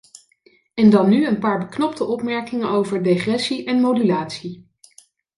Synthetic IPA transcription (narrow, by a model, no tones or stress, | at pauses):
ɛndɑnːyənpaːɹbəknɔptəʔɔpmɛɹkɪŋənowvəɹdeχrɛsiʔɛnmodylaːtsi